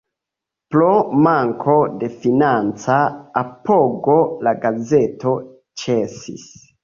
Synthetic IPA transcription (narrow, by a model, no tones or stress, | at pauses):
plomaŋkʰo̞de̞finant͡saːpoɡolaɡaze̞to̞ | t͡ʃesḭs